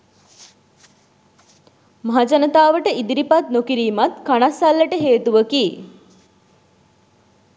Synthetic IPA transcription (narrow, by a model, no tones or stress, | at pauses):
maɦad͡ʒanət̪aːʋəʈəid̪iɾipat̪̚nokiɾiːmat̪kanasalːəʈəɦeːt̪uʋəki